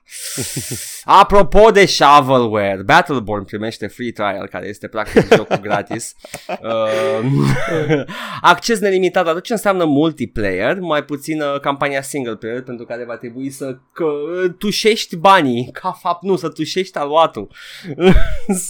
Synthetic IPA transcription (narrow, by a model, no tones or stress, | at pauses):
apɾo̞po̞d̪e̞ʃavəlwerbat̪əlborn̚pɾime̞ʃt̪e̞fɾit̪ɾa̰jḛlka̰ɾḛje̞st̪e̞pɾak̚t̪ikokuɡɾat̪isə | akt͡ʃe̞s̬ne̞limit̪at̪d̪at̪ot͡ʃːeɨnseamnəmult̪iplḛjermajput̪sinkampaniasiŋɡəlplejerpe̞nt̪ɾukaɾe̞vat̪ɾebuisəkət̪uʃe̞ʃt̪ʲbanikʰafap̚t̪nusət̪uʃe̞ʃt̪ʲaluat̪uɨ